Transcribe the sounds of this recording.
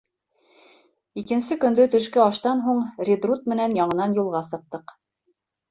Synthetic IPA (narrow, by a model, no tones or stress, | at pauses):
ikɘ̆nsɘkɵ̆nd̪ɵt̪ɵ̆ʃkɘɑʃt̪ɑnɦuɴrʲid̪rut̪̚mɘ̆nænjɑɴɤ̆nɑnjulˠʁɑsɤ̆q̚t̪ɤq